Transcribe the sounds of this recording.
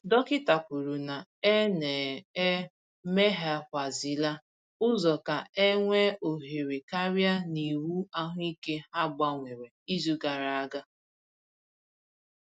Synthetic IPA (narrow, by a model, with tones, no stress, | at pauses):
dɔ˦kɪ˦ta˨pu˨ɾu˨na˨e˦ne˨e˦ | me˦ɦa˦kʷa˨zi˨la˦ | ʊ˦zɔ˨ka˨e˦ŋʷe˦o˨ɦe˨ɾe˨ka˦ɾja˦ni˨wu˦a˦ɦʊ˦i˦ke˦ha˦ɡ͡ba˦ŋʷe˨ɾe˨i˦zu˦ɡa˨ɾa˨a˦ɡa˦